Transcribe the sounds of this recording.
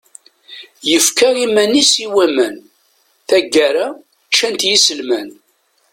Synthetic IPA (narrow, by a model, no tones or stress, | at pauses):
jəfkaɾimænisiwæmæn | θæɡːæɾa | t͡ʃːænt̪jisəlmæn